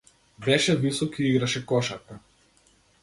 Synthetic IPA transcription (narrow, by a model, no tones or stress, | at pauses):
bɛʃɛvisɔkiiɡɾaʃɛkɔʃak̪a